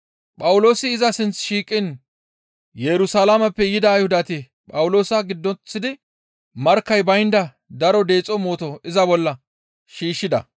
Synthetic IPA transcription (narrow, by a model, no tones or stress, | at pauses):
pʼɐwʊlo̞ːsɪːzɐsɪnt͡sʃiːkʼːɪn | jɛɾʊsalamɐpːɛjɪd̪ɐːjhʊd̪ɐt̪ɪ | pʼɐwlo̞ːsɐɡɪd̪ːɔt͡sːɪd̪ɪ | mɐɾkːɐjbɐjnd̪ɐ | d̪ɐɾɔd̪e̞ːt͡sʼɔmo̞ːt̪ɔɪzɐbɔlːɐ | ʃiːʃːɪd̪ɐ̰